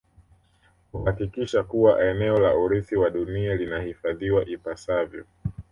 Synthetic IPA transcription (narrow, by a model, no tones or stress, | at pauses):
kuhakikiʃakuwaʔɛnɛɔla̰ʔuɾiθiwaɗunialinahifaðiwaʔipasavjɔ̰